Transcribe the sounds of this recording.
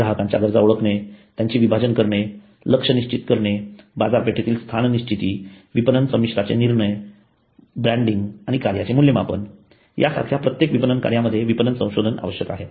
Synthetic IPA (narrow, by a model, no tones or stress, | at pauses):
ɾaɦəkãɲt͡ɕja̰ɡəɾd͡zauɭəkʰɳet̪jaɲt͡ɕiːʋibʱad͡ʑənkəɾɳe | ləkʂəniɕt͡ɕit̪kəɾɳebad͡zaɾpeʈʰet̪iːlst̪ʰanniɕt͡ɕit̪iː | ʋipənənsəmiʂɾat͡ɕeniɾɳəj | bɾæ̃ɳɖiŋɡaɽ̃ikaɾjat͡ɕemuljəmapə̰n | ja̰sa̰kʰjapɾət̪jekʋipənənka̰ɾjaməd̪ʱːjeʋipənənsə̃w̃ɕod̪ʱəna̰ʋəɕjəkaɦe